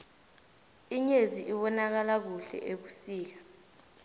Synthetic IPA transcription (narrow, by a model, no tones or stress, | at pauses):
iɲeziʔiɓɔnak̬alak̬uɬɛ̰ʔek̬usiːk̬ḁ